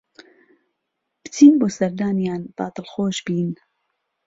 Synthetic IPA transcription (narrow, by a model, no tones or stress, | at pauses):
b̥ɨ̥t͡sʰiːnboːsɐɾd̪aːnjaːnt̪ˤɑ̰ːt̪ɨlxoːʃbiːn